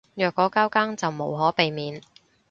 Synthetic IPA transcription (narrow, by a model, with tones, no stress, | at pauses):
jœː˨kːɔː˨˥kaː˥wkaː˥ŋt͡sɐ˨wmo˨˧wɦɔː˨˥pe˨jmiː˨n